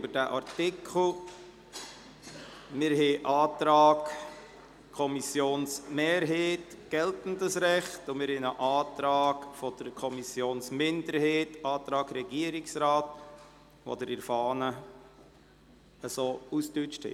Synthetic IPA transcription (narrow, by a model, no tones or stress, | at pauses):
bəɾdæʔɑrtɪkʰl̩ | mɪɾɦeːʔɑːtɾɑːɡ | kʰɔmisjoːnsmeːɾɦeːt | ɡ̥ɛltn̩dəsɾɛχtʊmɪɾhenəʔɑːtɾɑːɡfɔd̥əɾkʰɔmisjoːnsmɪndəɾheːtɑːt̪ɾɑːɡɾɛɡiəɾɪksɾɑːt | ʋo̰d̪əɾɪɾfɑːnə | əsoːustyt͡ʃthɛ̰